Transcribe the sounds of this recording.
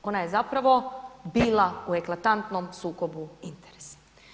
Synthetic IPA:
o̞naje̞zapɾaʋo̞biːlˠaue̞klˠat̪ant̪no̞msuːko̞buint̪eɾesḁ

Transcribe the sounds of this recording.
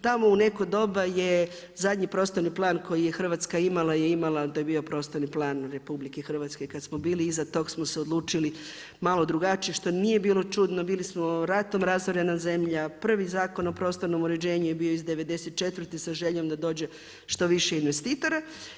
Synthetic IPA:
t̪amo̞une̞kod̪o̞baje | zad̪ɲipɾo̞ːst̪o̞ɾniplˠaːnko̞jijexr̩ʋat̪skaimalˠajeimalat̪ojbiːo̞pɾo̞ːst̪o̞ɾniplˠaːnɾe̞publikexr̩ʋat̪skekad̪smo̞biːliːzat̪o̞ɡsmoseod̪lˠuːt͡ʃili | malo̞d̪ɾuɡat͡ʃijeʃt̪o̞nije̞biːlˠo̞t͡ʃud̪no̞biːlismo̞ɾat̪o̞mɾazoɾenaze̞mʎapr̩ʋizaːko̞no̞pɾo̞st̪o̞ɾno̞muɾed͡ʑe̞ːɲujebioizd̪eʋe̞d̪eset̪̚t͡ʃe̞t̪ʋɾrt̪isaʒeʎo̞md̪ad̪o̞ːd͡ʑe̞ | ʃt̪o̞ʋiʃeinʋest̪iːt̪o̞ɾa

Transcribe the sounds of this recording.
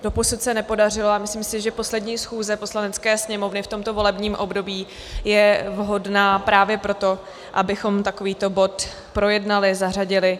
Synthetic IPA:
d̥oposut̪sɛnɛpo̞dar̝ɪloamɪsliːmsɪʒɛpo̞slɛdɲiːsxuːzɛposlanɛt͡skɛːsɲɛmo̞vnɪft̪o̞mt̪ovo̞lɛbɲiːmʔo̞bdo̞biː | jɛvɦo̞dnaːpɾaːvjɛpɾo̞t̪o̞ | ʔabɪxo̞mt̪ako̞viːt̪o̞bo̞t̪ | pɾo̞jɛdnalɪzar̝aɟɪlɪ

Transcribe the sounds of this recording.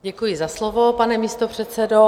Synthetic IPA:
ɟɛkujɪzaslovopanɛmiːst̪opr̝̥ɛt̪sɛdo

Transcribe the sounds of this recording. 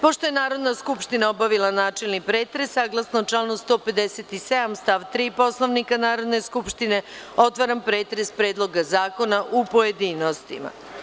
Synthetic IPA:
po̞ʃt̪o̞jenaːɾo̞d̪naskupʃt̪inaobaʋilˠanaːt͡ʃelnipɾe̞ːt̪ɾesːaːɡlˠasnot͡ʃanost̪o̞ːpe̞d̪eset̪ised̪amst̪aʋt̪ɾiːpo̞slˠoʋnikanaːɾo̞d̪ne̞skupʃt̪ine̞o̞t̪ʋaɾampɾe̞ːt̪ɾe̞spɾe̞ːd̪lo̞ɡazaːko̞naʔupoje̞d̪iːnost̪ḭma̰

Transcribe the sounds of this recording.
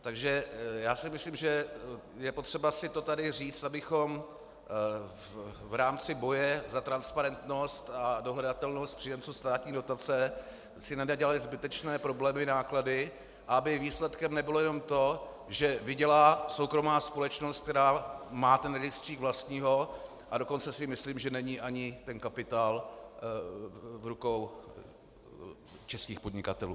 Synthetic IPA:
t̪aɡʒɛjaːsɪmɪslimʒɛ | jɛpo̞t̪r̥ɛbasɪt̪o̞t̪adɪr̝iːt͡st̪abɪxo̞m | vɾaːmt͡sɪbo̞jɛzat̪ɾanspaɾɛnt̪no̞st̪adoɦlɛdat̪ɛlnost̪̚pr̝̥ɪjɛmt͡somst̪aːt̪ɲiːdo̞t̪at͡sɛ | sɪnadaɟɛlalɪzbɪt̪ɛt͡ʃnɛːpɾo̞blɛːmɪnaːkladɪ | ʔaabɪviːslɛt̪kɛmnɛbɪlojɛno̞mt̪o̞ | ʒɛvɪɟɛlaːsowkɾo̞maːspo̞lɛt͡ʃnost̪̚k̚t̪ɛɾaːmaːt̪ɛnɾɛɡɪst̪r̥iːɡvlast̪ɲiːɦo̞ | ʔado̞ko̞nt͡sɛsɪmɪsliːmʒɛnɛɲiːʔaɲɪt̪ɛnkapɪt̪aːl | vɾuko̞w | t͡ʃɛskiːxpodɲɪkat̪ɛlṵː

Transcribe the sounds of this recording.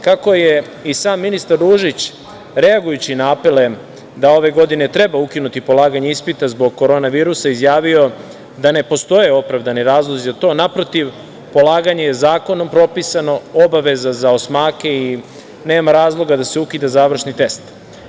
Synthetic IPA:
kako̞je | isaːmːinist̪aɾːuːʒit͡ɕ | ɾe̞aɡujut͡ɕinaapele̞ | d̪ao̞ʋe̞ɡo̞d̪ine̞t̪ɾe̞baukinut̪ipo̞lˠaːɡaɲaispit̪azbo̞ɡ̚ko̞ɾo̞ːnaʋiːɾusaizjaːʋio̞ | d̪ane̞po̞st̪o̞jeo̞pɾavd̪aniɾaːzlˠozizat̪o̞ːnapɾo̞t̪iʋ | po̞lˠaːɡaɲajezaːko̞no̞mpɾo̞pisano̞obaʋe̞zazaosmaːke̞i | ne̞ːmaɾaːzlˠo̞ɡad̪ase̞ukid̪azaːʋr̩ʃnit̪e̞st̪

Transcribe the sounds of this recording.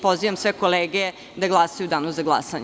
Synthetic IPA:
po̞ziʋamsʋekoleːɡe | d̪aɡlˠasajud̪aːnozaɡlˠa̰saɲ

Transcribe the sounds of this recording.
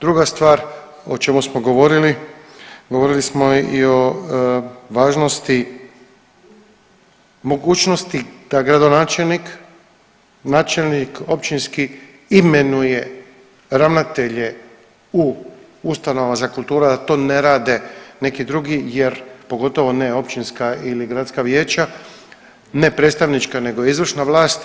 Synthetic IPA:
d̪ɾuɡast̪ʋaːɾ | ot͡ʃe̞musmoɡo̞ʋo̞ɾili | ɡoʋo̞ɾilismo̞io̞ | ʋaːʒno̞st̪i | mo̞ɡuːt͡ʃno̞st̪id̪̥aɡɾad̪o̞naːt͡ʃelnik | naːt͡ʃelniko̞pt͡ʃinski | imenuje̞ | ɾaʋnat̪e̞ʎe̞ | u | ust̪anoʋazakulˠt̪uːɾad̪at̪o̞ːne̞ɾaːd̪e̞ne̞kid̪ɾuɡije̞ɾpo̞ɡo̞t̪o̞ʋo̞ne̞o̞pt͡ʃinskailiɡɾat̪skaʋje̞ːt͡ʃa | ne̞pɾet̪st̪aʋnit͡ʃkane̞ɡojeizʋr̩ʃnaʋlˠaːst̪

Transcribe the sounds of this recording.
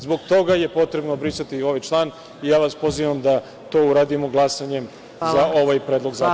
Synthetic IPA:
zbo̞ɡt̪o̞ɡaje̞po̞t̪ɾe̞bnobɾisat̪io̞ʋajt͡ʃlˠaːn | ijaːʋaspo̞ziʋamd̪a | t̪o̞ːuɾad̪imoɡlˠasaɲe̞m | zao̞ʋajpɾed̪lˠo̞ɡza

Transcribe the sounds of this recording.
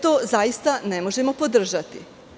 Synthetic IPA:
t̪oːzajist̪anemo̞ʒemo̞po̞d̪r̩ʒat̪i

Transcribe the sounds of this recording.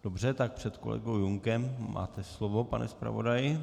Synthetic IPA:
d̥obr̝ɛt̪ak̚pr̝̥ɛt̪ko̞̰lɛ̰ɡowjuŋkɛmːa̰ːt̪ɛslovo̞pa̰nʔɛ̰spɾa̰vo̞̰dajɪ

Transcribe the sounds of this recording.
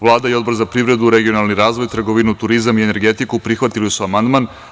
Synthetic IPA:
ʋlˠaːd̪aio̞d̪bo̞ɾzapɾivɾe̞d̪uɾe̞ɡio̞nalˠniɾaːzʋo̞jt̪r̩ɡoʋinut̪uɾizamiene̞ɾɡe̞t̪ikupɾixʋat̪ilisuamand̪man

